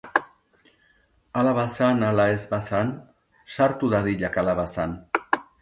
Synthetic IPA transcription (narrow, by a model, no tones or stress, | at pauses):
alaβasanalaezβasan | saɾt̪uðaðiʎakalaβasan